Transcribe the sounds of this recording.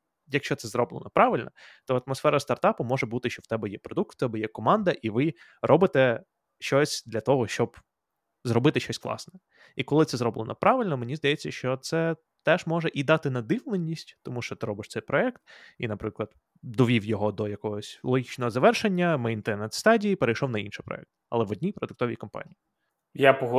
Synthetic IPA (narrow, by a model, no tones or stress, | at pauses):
jɐkʃt͡ʃɔt̪sɛzɾɔblˠɪ̰nɔpɾɑʋɪlʲnɔt̪ɔɐt̪mɔsfɛɾɐst̪ɐrt̪ɑpʊmɔʒɛbut̪ɪʃt͡ʃɔwt̪ɛbɛjɛpɾɔd̪uk̚t̪wt̪ɛbɛjɛkɔmɑnd̪ɐʔiʋɪ | rʔɔbɪt̪ɛ | ʃt͡ʃɔsʲd̪lʲɐt̪ɔɦɔʃt͡ʃɔb | zɾɔbɪt̪ɪʃt͡ʃɔsʲklˠɑ̰snɛ | ikɔlˠɪt̪sɛzɾɔblˠɪnɔpɾʔɑʋɪlʲnɔmɪnʲizd̪ɐjɛt͡sʲːɐʃt͡ʃɔt̪sɛ | t̪ɛʒmɔʒɛʔid̪ɑt̪ɪnɐd̪ɪʋlˠenʲːisʲtʲt̪ɔmuʃt͡ʃɔt̪ɪɾɔbɪʃt̪ɛjpɾɔɛkt̪inɐpɾɪklˠɐd̪ | d̪ɔʋʲiwjɔɦɔd̪ɔjɐkɔɦɔsʲlˠɔɦʲit͡ʃnɔɦɔzɐʋɛrʃenʲːɐmɪjnt̪ɛɾnɛt̪st̪ɑdʲijipeɾejʃɔwnɐinʃɪjpɾɔ̰ɛ̰k̚t̪̚ɐlˠɛʋɔdʲnʲipɾɔd̪ʊkt̪ɔʋʲḭkɔmpɑ̰nʲiji | japɔɦ